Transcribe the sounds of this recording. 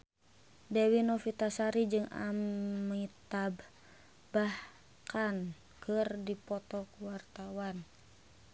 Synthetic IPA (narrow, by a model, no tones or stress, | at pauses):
dɛwinɔfit̪asaɾid͡ʒɨŋa̰mit̪ab | bah | kan | kʰɨrdipɔt̪ɔkuwart̪awan